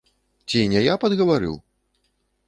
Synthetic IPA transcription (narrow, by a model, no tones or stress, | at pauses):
t͡sʲinʲɛjapɐd̪ɣɐvaɾɨ̰w